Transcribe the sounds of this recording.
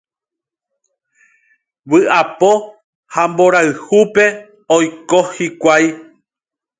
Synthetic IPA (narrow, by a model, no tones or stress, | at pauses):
wɨapo̞ | hamboɾaɨhupe̞ | ojkohikʷaj